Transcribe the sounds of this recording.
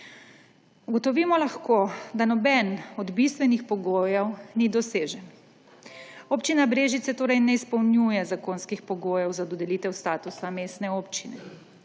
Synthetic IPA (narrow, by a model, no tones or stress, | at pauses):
uɡɔt̪ɔʋiːmɔlaxkoːd̪anɔbɛnɔd̪bist̪ʋɛnixpɔɡoːjɛwnid̪ɔseːʒɛn | oːpt͡ʃinabɾeːʒit̪sɛt̪oːɾɐjnɛispɔwnjujɛzakoːnskixpɔɡoːjɛwzad̪ɔd̪ɛliːt̪ɛwst̪aːt̪usameːst̪nɛoːpt͡ʃinɛ